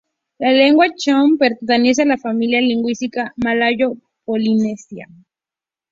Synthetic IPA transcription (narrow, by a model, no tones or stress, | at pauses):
laleŋɡwat͡ʃompeɾt̪t̪enes̬ealafamiljaliŋɡwist̪ikamalajo | polinesia̰